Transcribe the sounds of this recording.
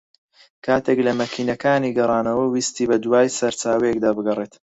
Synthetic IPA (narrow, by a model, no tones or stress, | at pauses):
kʰaːt̪ʰeklɐmɐkʰiːnɐkaːniːɡɐrˤɑːnɐwɐwiːst̪iːbɐd̪waːjsɐɾt͡ʃaːwɛjekd̪aːbɨɡɐret̪